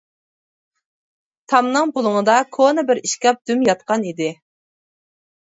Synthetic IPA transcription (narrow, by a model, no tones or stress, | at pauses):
t̪ʰɑmnɨŋbʊlˠʊŋɨd̪ɑkʰonɨbɪɾiʃkʲɑp̚d̪̥ymjɑt̪̚qɑnid̪ɪ